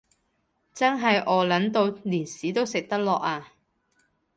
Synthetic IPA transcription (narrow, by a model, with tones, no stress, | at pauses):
t͡sɐ˥nɦɐ˨jʔɔː˨˧lɐ˨˥nt̪o˧wliː˨˩nsiː˨˥t̪o˥wsɪ˨k̚t̪ɐ˥k̚lɔː˨k̚aː˧